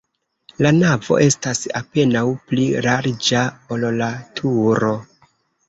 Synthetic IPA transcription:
lanavo̞̰ʔe̞stasa̰pe̞nawpliɾaɾd͡ʒaollatʰuɾo̞

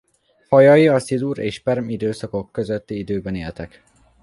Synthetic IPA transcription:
hɒjɒjiɒsid̪uɾḛːʃpɛrmid̪øːsɒko̞kːøzøt̪ːiid̪øːbɛneːlt̪ɛk

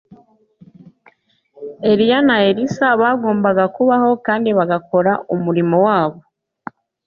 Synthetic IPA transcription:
e̞ɾijanaeɾisaβaːɡo̞ːmbaɡakuβaho̞kaːndiβaɡako̞ɾaʔumuɾimowaːβo̞

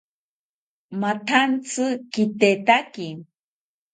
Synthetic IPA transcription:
mat̪ʰant͡sɨkit̪et̪aki

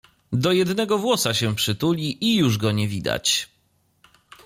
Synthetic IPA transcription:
d̪ɔjɛd̪nɛɡɔvwɔsaɕɛpʂɘt̪ulʲiʔijuʐɡɔɲɛvʲid̪a̰t͡ɕ

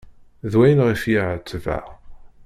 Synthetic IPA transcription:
ðwæjənʁifjiʕət͡sːvæ̰

